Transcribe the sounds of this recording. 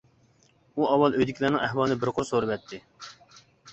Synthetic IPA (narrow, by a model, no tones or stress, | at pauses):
uɑwːɑlˠøjd̪ɪkʰʲlæɾnɪŋæhwɑlˠnɨbɪɾqʰʊɾsoɾɨvɛt̪ʰːɪ